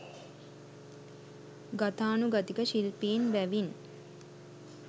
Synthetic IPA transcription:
ɡat̪aːnuɡat̪ikəʃilpiːnʋæʋin

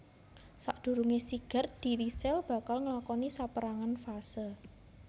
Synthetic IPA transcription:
sa̰ʔd̪̥ṳɾuŋesiɡ̥a̤rd̪̥i̤lisɛlb̥a̤kalŋəlakɔnisapəɾaŋanfasə

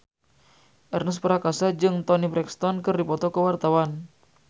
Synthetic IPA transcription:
ʔɛrnəspəɾakasad͡ʒɨŋt̪ɔnibɾɛkst̪ɔnkɨrdipɔt̪ɔkəwart̪awan

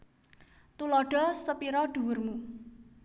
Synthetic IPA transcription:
t̪ulɔɖ̥ɔ̤səpiɾɔɖ̥ṳwʊrmu

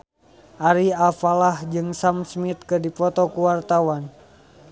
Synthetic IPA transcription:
ʔaɾiafalahd͡ʒɨŋsamsmit̪̚kɨdipɔt̪ɔkuwart̪awan

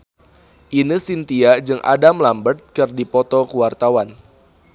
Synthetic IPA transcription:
ʔinisint̪iad͡ʒɨŋʔa̰damlambərt̪̚kɨrdipɔt̪ɔkəwart̪awan

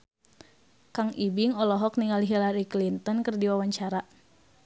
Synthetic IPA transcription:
kaŋibiŋɔlɔɦɔk̚niŋaliɦilaɾiklint̪ɔnkɨrdiwawaɲt͡ʃaɾa

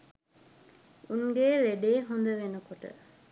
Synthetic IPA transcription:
uŋɡeɾeɖeːɦond̪əʋenəkoʈə̰

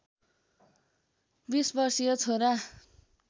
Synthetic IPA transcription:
bisbʌrsijʌt͡sʰoɾa

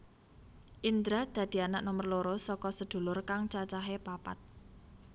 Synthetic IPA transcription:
ʔind̪ɾad̪̥ä̤d̪̥i̤anaʔnomərloɾosɔkɔsəd̪̥o̤lʊrkaŋt͡ʃat͡ʃaɦepapa̰t̪̚

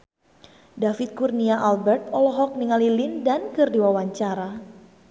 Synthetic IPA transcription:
dafɪt̪̚kurniaʔalbɛrt̪ɔlɔɦɔk̚niŋalilɪndankɨrdiwawaɲt͡ʃaɾa

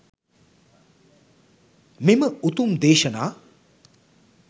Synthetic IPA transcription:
meməut̪umd̪eːʃɐnaː

